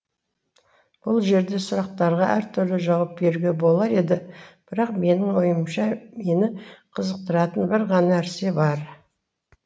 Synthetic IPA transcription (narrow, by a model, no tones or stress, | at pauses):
b̥ʊlˠʒe̞ɾd̪e̞sʊɾɑq̚t̪ɑɾʁɑʔæɾt̪ʰʏɾlɪʒɑwɑp̚be̞ɾuɡʲe̞bo̞lˠɑɾe̞d̪ɪb̥ɪɾɑqme̞nɪŋwo̞jəmʃɑme̞nɪqʰəzəq̚t̪əɾɑt̪ənbɪɾʁɑnɑæɾse̞bɑɾ